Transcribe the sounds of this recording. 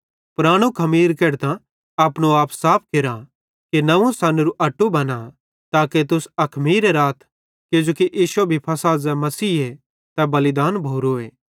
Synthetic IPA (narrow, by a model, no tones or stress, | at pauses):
pɾaːɽ̃ũkʰɐmiːɾkeːɾt̪ã | aːpɽ̃oaːpsaːpʰkeɾa | kinɐʋũsɐnɾuʔɐʈːubɐna | t̪aːket̪ʊsɐkʰmiːɾeɾaːt̪ʰ | kɪd͡ʒoːkiʔiːʃebʱipʰɐsaːzɛmɐsiːɦe | t̪ɛbɐlɪd̪aːnbʱoːɾoeː